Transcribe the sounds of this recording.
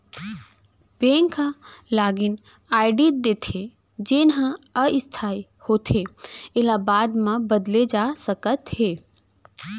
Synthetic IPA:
bẽŋkalaːɡin | aːɪɖid̪eːt̪ʰe | d͡ʒenɦãəɪst̪ʰaːi | hoːt̪ʰeelabaːd̪mãbəd̪led͡ʒasəkət̪ɦe

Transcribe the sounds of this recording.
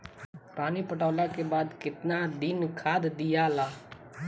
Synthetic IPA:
pɾaːniːpəʈɔːlaːkeːbaːd̪kɪt̪naːd̪ɪnkʰaːd̪d̪ɪjaːlaː

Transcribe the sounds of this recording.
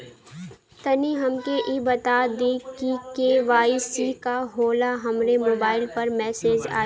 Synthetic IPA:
t̪ɐniɦɐmkeʔibɐt̪aːd̪ekikeʋaːisikaɦoːlaɦɐmɾemoːbaːɪlpɐɾmɛːseːd͡ʒa̰ː

